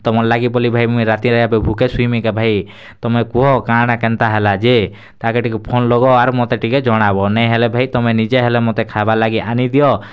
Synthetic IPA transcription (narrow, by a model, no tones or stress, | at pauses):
t̪ɔmɔlaɡibɔlibʱajmuĩɾat̪iɾɔjabɛbʱukesujmikabʱaj | t̪ɔmekuɦɔkaɽ̃akɛnt̪aɦɛlad͡ʒe | t̪akeʈikupʰonlɔɡɔaɾmɔt̪eʈiked͡ʒɔɽ̃abɔnɛjɦɛlebʱajt̪ɔmenid͡ʒeɦɛlemɔt̪ekʰabalaɡiʔanid̪ijɔ